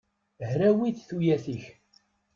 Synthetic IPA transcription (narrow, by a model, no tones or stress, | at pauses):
ɦɾæwiθθujæθiç